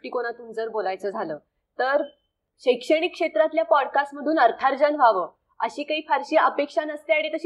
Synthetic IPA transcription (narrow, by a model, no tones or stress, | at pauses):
ʈiːkoɽ̃at̪uːmd͡zəɾbolajt͡səːd͡zʱaləː | t̪əɾ | ɕəjkʂəɽ̃ikːʂet̪ɾat̪ljapɔɽkasʈməd̪ʱuːnəɾt̪ʰaɾd͡ʑənʋ̤ʱaʋəː | ə̰ɕiːkaɦiːfaɾɕiːʔəpekʂanəst̪eaɽet̪əɕi